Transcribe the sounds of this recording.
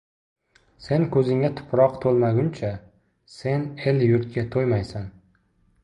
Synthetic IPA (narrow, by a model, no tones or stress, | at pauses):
se̞nkʰɵzɪŋʲat̪ʰʊ̥pʰɾɒqt̪ʰolˠmaɡʲʊnt͡ʃʰa | se̞ne̞ljʊɾt̪̚kʲat̪ʰojmajsan